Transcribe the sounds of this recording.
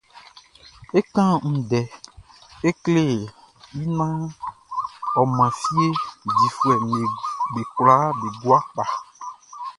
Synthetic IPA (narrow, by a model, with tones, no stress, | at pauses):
e˦kã˦ŋ̩̃˨ɖɛ˨ | e˦kle˦ | ji˦nã˦ | ɔ˨mã˨fi˦e˦di˨fu˨ɛ˨mẽ˨ɡ͡be˨kla˦be˨ɡ͡bu˦a˦k͡pa˨